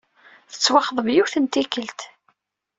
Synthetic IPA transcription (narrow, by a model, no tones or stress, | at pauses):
θə̥t͡sːwɑχðˤəvjuθənt̪ikəlt̪